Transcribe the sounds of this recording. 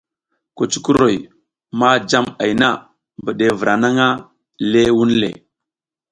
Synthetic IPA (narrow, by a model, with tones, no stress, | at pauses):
ko˨t͡ʃu̥˦ku˦ɾo˨j | ma˦d͡ʒa˦ma˨jna˦˨ | mbə˨ɗe˨və˨ɾa˨na˦ŋa˦ | le˦wu˦nlḛ˨